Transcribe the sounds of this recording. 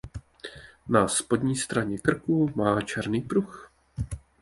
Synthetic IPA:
naspo̞d̪ɲiːst̪ɾaɲɛkr̩kumaːt͡ʃɛɾniːpɾux

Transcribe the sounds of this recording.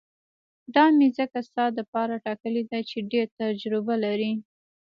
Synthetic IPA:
d̪ɑmezəkast̪ɑd̪əpɑɾaʈɑkəled̪at͡ʃeɖeɾt̪ad͡ʒɾɪbalaɾi

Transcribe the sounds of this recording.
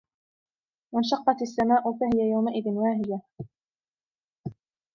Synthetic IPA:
manʃɑqːɑt̪asːamaːʔʊfahɪjajawmaʔɪðɪnwaɦɪja

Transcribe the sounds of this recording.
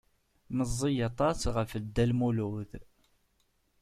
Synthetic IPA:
məzˤːijɑt̪ˤɑsʁəfəd̪ːælmuluð

